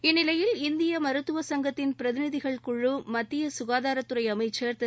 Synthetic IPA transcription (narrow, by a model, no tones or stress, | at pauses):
ɪnːɪlɐjɪlɪnd̪ɪjɐmɐɾɯt̪ːɯʋɐsɐŋɡɐt̪ːɪnpɪɾɐðɪnɪðɪɣɐɭkʊɭːɯmɐt̪ːɪjɐsʊɣaːðaːɾɐt̪ːɯɾɐɪɐmɐɪt͡ʃːɐɾt̪